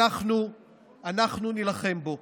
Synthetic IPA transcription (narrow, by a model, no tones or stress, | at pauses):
aχnu | anaχnunilaχe̞mbo̞